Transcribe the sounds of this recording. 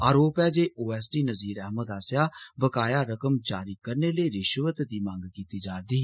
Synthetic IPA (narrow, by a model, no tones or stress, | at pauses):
aːɾoːpɛːd͡ʒeːʔoːɛːsʈiːnəziːɾɛːɦməd̪aːsjaːbəkaːjaːɾəkəmd͡ʒaːɾiːkəɾneːləiːɾɪʃʋət̪d̪iːmãːŋɡkiːt̪iːd͡ʒaːɾd̪iː